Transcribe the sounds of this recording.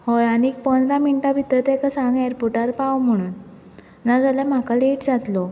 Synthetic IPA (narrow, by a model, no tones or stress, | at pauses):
hojañiːk̚pənd̪ɾaminʈabʱit̪əɾt̪ɛ̃kasãŋɡɛjəɾpuʈaɾpawm̤əɽ̃uːn | nad͡zaljam̤akaleʈd͡zat̪lo